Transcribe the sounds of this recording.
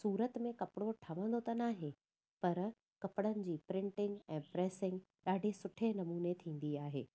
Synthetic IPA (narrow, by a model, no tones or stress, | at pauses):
suːɾət̪mẽkɐpɪɽoʈʰɐʋə̃nd̪ot̪ɐnaːɦẽ | pɐɾ | kɐpɪɽənɪ̆d͡ʑiːpɾɪ̃ɳʈɪ̃ŋɡɛ̃ːpɾɛːsɪ̃ŋɡ | ɗaːɖʱesʊʈʰenɐmuːnet̪ʰĩːn̆d̪iaːɦḛː